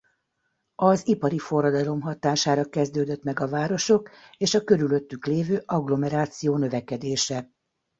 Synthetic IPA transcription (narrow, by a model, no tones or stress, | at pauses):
ɒzipɒɾifo̞rːɒd̪ɒlo̞mɦɒt̪aːʃaːɾɒkɛzd̪øːd̪øt̪mɛɡɒvaːɾo̞ʃo̞keːʃɒkø̞ɾylø̞t̪ːykleːvøːʔɒɡlo̞mɛɾaːt̪sijoːnøvɛkɛd̪eːʃɛ